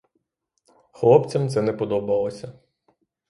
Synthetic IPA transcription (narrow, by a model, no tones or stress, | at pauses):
xlˠɔpt͡sʲɐmt̪sɛnɛpɔd̪ɔbɐlˠɔsʲɐ